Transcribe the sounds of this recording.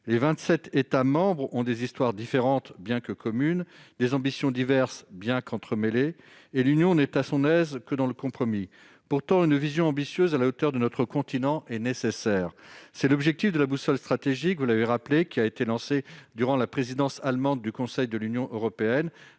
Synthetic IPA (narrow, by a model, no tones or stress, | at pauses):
levɛ̃t̪sɛt̪et̪amɑ̃bʁɔ̃d̪ezist̪waʁd̪ifeʁɑ̃t̪bjɛ̃kəkʰɔmynd̪ezɑ̃bisjɔ̃d̪ivɛʁsbjɛ̃kɑ̃t̪χəmeleː | lynjɔ̃nɛt̪asɔ̃nɛzkəd̪ɑ̃ləkɔ̃pχɔmi | puʁt̪ɑ̃ynvizjɔ̃ɑ̃bisjøzalaot̪œʁd̪ənɔt̪χəkɔ̃t̪inɑ̃ʔɛnesesɛːʁsɛlɔbʒɛk̚t̪ifd̪əlabusɔlst̪χat̪eʒikvulaveʁaplekʲiaet̪elɑ̃sed̪yʁɑ̃lapχezid̪ɑ̃salmɑ̃d̪̚ːykɔ̃sɛjd̪əlynjɔ̃ʔøʁɔpeɛn